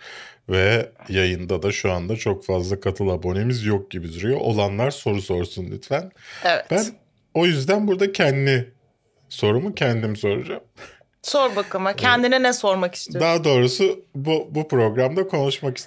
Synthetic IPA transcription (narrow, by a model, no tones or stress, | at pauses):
vɛjajɯnd̪ad̪aʃuand̪at͡ʃʰo̞kfazlˠakʰat̪ʰɯlˠabo̞ne̞mizjok̚ɟibid̪yɾyjoʔolˠanlˠaɾso̞ɾuso̞ɾsunlʲy̰t̪fænevɛb̥æn | o̞jyzd̪ænbuɾd̪acʰɛnd̪nɪ | so̞ɾumucʰɛnd̪imiso̞ɾud͡ʒam | soɾbakɯmacʰɛnd̪ininɛso̞ɾmaki̥st̪ʰijd̪aːd̪o̞ːɾusɯbubupɾo̞ɡɾamd̪akʰo̞nuʃmaki̥st̪